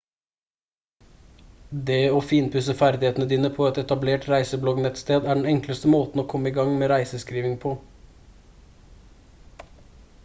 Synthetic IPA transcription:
d̪eːɔfiːnpʰʉsəfæɾd̪ɪheːt̪n̩əd̪iːnəpʰɔɛt̪ɛt̪ɑbleːʈɾæɪsəblɔɡnɛt̪st̪eːd̪æɖɳ̩ɛŋkləst̪əmoːt̪n̩oːkʰɔmːəɪɡɑŋmeːɾæɪsəskɾiːʋɪŋpʰɔ

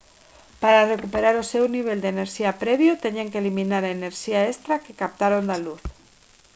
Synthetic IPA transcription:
paɾare̞kupe̞ɾaɾose̞wniβ̞e̞ld̪eneɾʃiapɾeβjot̪eɲeŋkelimĩnaɾaene̞ɾʃiaest̪ɾakekap̚t̪aɾond̪aluθ

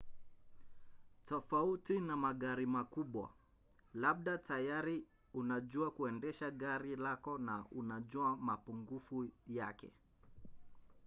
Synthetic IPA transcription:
tɔfautinamaɠaɾimakuɓwa̰ | laɓ̚ɗatʰajaɾi | unaʄuakuɛndɛʃaɠaɾilakɔnaunaʄuamapuŋɡufujakɛ̰

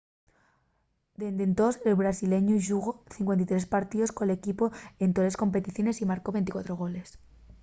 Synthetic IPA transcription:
d̪e̞nd̪e̞nt̪o̞selβɾasile̞ɲuʝuɣo̞θiŋkwe̞nt̪it̪ɾe̞spaɾt̪iðo̞skole̞kipo̞e̞nt̪o̞le̞sko̞mpe̞t̪iθjo̞ne̞simaɾko̞βe̞nt̪ikwa̰t̪ɾo̞ɣo̞le̞s

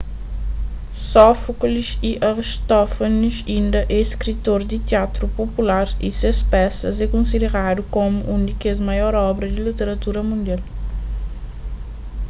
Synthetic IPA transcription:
sɔfkliʃiʔɐɾiʃt̪ɔfɐniʃĩnd̪ɐʔɛiskɾit̪oɾd̪it̪iat̪ɾupopulaɾḭsespɛsɐzɛkõnsid̪eʁad̪ukomuʔũnd̪ikezmɐjɔɾɔbɾɐd̪ilit̪eɾɐt̪uɾɐmũnd̪ial

